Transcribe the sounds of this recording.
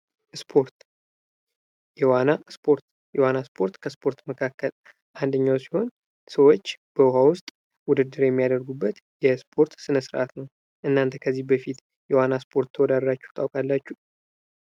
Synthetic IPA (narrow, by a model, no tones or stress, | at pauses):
spʰoɾt̪ | jɛwanaspʰo̞ɾt̪ | jɛwanaspʰo̞ɾt̪kʰəspʰo̞ɾt̪məkʰakːəl | ʔand̪əɲːawsi̥ho̞n | səwo̞t͡ʃːb̥əɦawʊst̪ʼ | wʊd̪ɨd̪ːɨɾjɛmːijad̪əɾɡubːət̪ | jɛspʰo̞ɾt̪sɨnəsɨɾʔat̪nəw | ʔɨnːant̪ʰəkʰəzːihbəfit̪ | jɛwanaspʰo̞ɾt̪t̪ʰəwɔd̪ad̪ɾat͡ʃːɛwt̪ʰʼawkʼalːat͡ʃːu